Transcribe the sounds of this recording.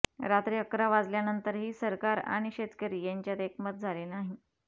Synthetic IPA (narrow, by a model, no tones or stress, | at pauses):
ɾat̪ɾiːəkɾaʋad͡zljanənt̪əɾɦiːsəɾkaɾa̰ɽ̃iɕet̪kəɾiːjaɲt͡ɕjat̪ekʰmət̪̚d͡zʱalenaɦi